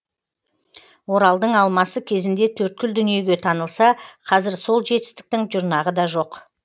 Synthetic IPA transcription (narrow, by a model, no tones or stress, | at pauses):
wo̞ɾɑlˠd̪əɴɑlˠmɑsəkʲʰe̞zɪnd̪e̞t̪ʰɵɾt̪̚kʲʏld̪ʏnije̞ɡʲe̞t̪ʰɑnəlˠsɑqʰɑzɪɾso̞lˠʒe̞t̪ɪ̥st̪ɪ̥k̚t̪ɪŋʒʊɾnɑʁəd̪ɑʒo̞q